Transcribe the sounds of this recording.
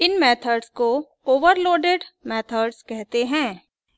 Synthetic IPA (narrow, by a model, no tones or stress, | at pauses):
ɪnmɛːt̪ʰəɖsko | oːʋəɾloːɖeɖmɛːt̪ʰəɖskɛɦt̪eɦɛ̃ː